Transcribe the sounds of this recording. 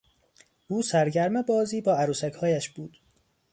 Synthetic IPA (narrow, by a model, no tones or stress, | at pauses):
ʔuːsæɾɟæɾmebɒːziːbɒːæɾuːsæchɒːjæʃb̥uːd̪̥